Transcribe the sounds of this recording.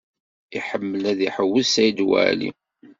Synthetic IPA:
iħəmːəlæðiħəwːəsæjd̪wæ̰lḭ

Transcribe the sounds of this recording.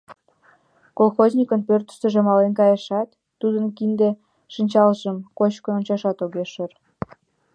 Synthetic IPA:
kolxozʲnʲikənpørt̪ə̥ʃt̪ə̆ʒĕmɑlenkɑjeʃɑt̪ːud̪ənkind̪e | ʃinʲt͡ɕɑlʒəmkot͡ɕkoonʲt͡ɕɑʃɑt̪oɣeʃər

